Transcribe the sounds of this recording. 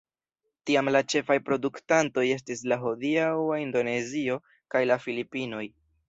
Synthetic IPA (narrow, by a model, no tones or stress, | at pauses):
tiamlat͡ʃe̞fajpɾo̞duktanto̞je̞s̬tislaɦodiawaindo̞ne̞zio̞ | kajlafilipino̞j